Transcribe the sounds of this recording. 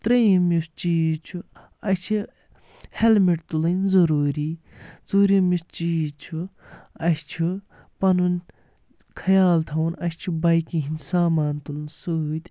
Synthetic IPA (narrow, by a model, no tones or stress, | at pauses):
t̪ɾɐjimist͡ʃiːzt͡ʃʰu | ɐʃʲt͡ʃʰi | helmiʈt̪ulɨnʲzɐɾuːɾiː | zuɾimist͡ʃiːzt͡ʃʰu | ɐʃʲt͡ʃʰu | pɐnunʲ | kʰɐjaːlt̪ʰɐwnɐʃʲt͡ʃʰubɐjkiɦinʲsaːmaːnt̪ulɨnsut̪ʲ